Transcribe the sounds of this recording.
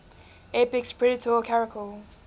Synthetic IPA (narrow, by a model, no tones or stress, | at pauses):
ɛpɪkspʰɹɛɾɪtʰɔkʰaɹɪkʰəl